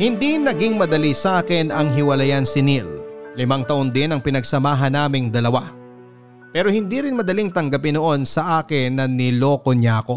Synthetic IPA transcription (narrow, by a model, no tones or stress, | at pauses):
hɪnd̪inɐɡiŋmɐd̪ɐlisʔaːkɪnɐŋɦɪwɐlɐjansɪnillɪmɐŋt̪ɐʔond̪ɪnɐŋpɪnɐɡ̚sɐmaːɦɐnːaːmɪŋd̪ɐlɐwa | pɛːɾo̞hɪnd̪iɾɪnmɐd̪ɐliŋt̪ɐŋɡɐpɪnoʔo̞nsɐʔaːkɪnːɐnɪlo̞ːkoɲjaːko̞